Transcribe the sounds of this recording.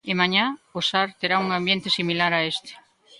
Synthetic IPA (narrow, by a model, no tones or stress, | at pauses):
ɪmaɲaosaɾt̪eɾauŋãmbjent̪esimilaɾaest̪e̥